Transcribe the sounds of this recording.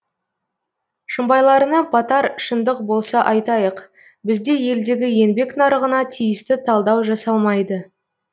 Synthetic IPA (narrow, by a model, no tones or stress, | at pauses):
ʃəmbɑjlˠɑɾənɑbʰɑt̪ɑɾʃənd̪əq̚bo̞lˠsɑʔɑjt̪ɑjəq | bɪzd̪e̞je̞ld̪e̞ɡʲɪje̞nbe̞knɑɾəʁənɑt̪ʰijɪst̪ɪt̪ʰɑlˠd̪ɑwʒɑsɑlˠmɑjd̪ə